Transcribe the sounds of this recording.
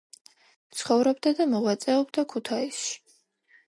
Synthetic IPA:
t̪sʰχɔvɾɔbd̪ad̪amɔʁwat̪sʼɛɔbd̪akʰut̪ʰaisʃi̥

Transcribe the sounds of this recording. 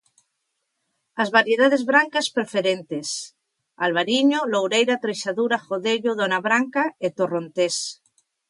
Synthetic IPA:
azβaɾjeð̞aðezβɾaŋkaspɾefeɾent̪es | alβ̞aɾiɲolowɾejɾat̪ɾeʃaðuɾaxoðeʎoðonaβɾaŋkaet̪oront̪es

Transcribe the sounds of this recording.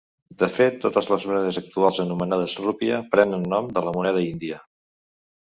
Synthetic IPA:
d̪əfet̪ːot̪əzləzmunɛðəzək̚t̪ualˠzənumənað̞əzrupiəpɾɛnənːɔmd̪ələmunɛð̞əind̪iə

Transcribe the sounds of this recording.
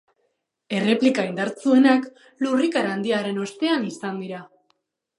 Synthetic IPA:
e̞re̞plikaind̪aɾt͡sue̞nak | lurikaɾaːnd̪iaɾe̞no̞st̪e̞anisand̪iɾa

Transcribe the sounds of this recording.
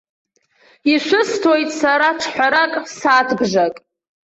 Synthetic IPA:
iʃʷʊstʰojtʼsaɾaʈ͡ʂʰħʷᶣaɾakʼsaːtʰbʒakʼ

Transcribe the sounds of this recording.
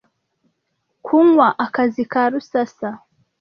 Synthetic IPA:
kʰuŋwaʔakazikaɾusasa

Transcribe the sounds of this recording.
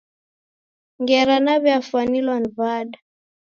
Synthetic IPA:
ŋɡɛɾanaβjafuanilwanvaɗa

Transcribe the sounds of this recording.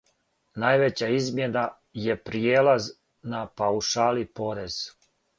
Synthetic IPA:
najʋet͡ɕaizmjena | jepɾijeːlaz | napauʃaːlipo̞ɾez̥

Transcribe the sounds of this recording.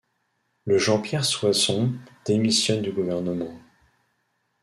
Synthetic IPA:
ləʒɑ̃pjɛʁswasɔ̃d̪̥emisjɔnd̪yɡuvɛʁnəmɑ̃

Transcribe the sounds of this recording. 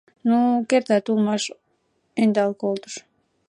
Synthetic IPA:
nukert̪æt̪ulmɑʃ | end̪ɑlˠkolˠt̪u̥ʃ

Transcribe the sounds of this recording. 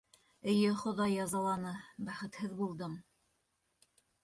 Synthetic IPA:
ɘ̆jɘχŏðɑjːɑzɑlˠɑnɤbæχɘ̆t̪hɘðbulˠd̪ɤm

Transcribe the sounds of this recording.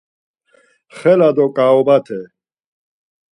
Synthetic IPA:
χɛlad̪ɔkʼaɔbat̪ʰɛ

